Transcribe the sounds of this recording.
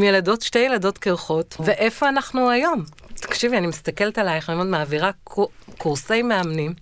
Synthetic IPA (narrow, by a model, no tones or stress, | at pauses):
mjelado̞tʃtejeladotkeʁχo̞tveʔefo̞anaχnuajo̞m | t̪ḁkʃivianimist̪akeltalajeχemod̪maːviʁakkuʁse̞jmeamnim